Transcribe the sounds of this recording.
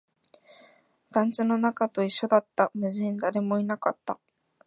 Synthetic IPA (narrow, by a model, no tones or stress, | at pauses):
d̪̥ãɲt͡ɕino̞nakat̪o̞iɕːo̞d̪at̪ːamɯ̟ʑiɲnd̪aɾe̞mo̞inakat̪ːa